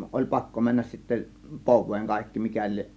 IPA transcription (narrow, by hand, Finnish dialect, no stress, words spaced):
olʲ pɑkːo mænːæs sitːæ poʋˑeːŋ kɑˑe̝kːi mikæ lieʔ